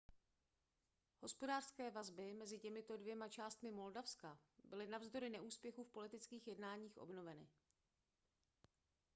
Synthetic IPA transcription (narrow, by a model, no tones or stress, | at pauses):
ho̞spo̞daːr̥skɛːvazbɪmɛzɪcɛmɪt̪o̞dvjɛmat͡ʃaːst̪mɪmo̞ldafskabɪlɪnavzdo̞ɾɪnɛʔuːspjɛxufpo̞lɪt̪ɪt͡skiːxjɛdnaːɲiːxʔo̞̰bno̞vɛnɪ̰